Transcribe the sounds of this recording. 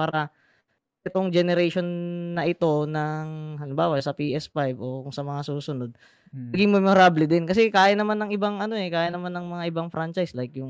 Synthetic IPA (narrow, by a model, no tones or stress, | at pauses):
paːɾɐ | ʔɪt̪o̞ŋd͡ʒɛnɛɾɛjʃo̞nːɐʔɪt̪o̞nɐŋhɐnʊmbaːwɐsɐpiʔɛspajbʔo̞kʊŋsɐmɐŋasuːsʊno̞d̪̚ | nɐɡɪŋmɛmɛɾablɛd̪ɪnkɐs̬ɛkaːjɐnːɐmanːɐŋʔɪbaŋʔɐno̞ʔɛkaːjanɐmanːɐŋmɐŋaʔɪbaŋfɾant͡ʃajslajkjʊŋ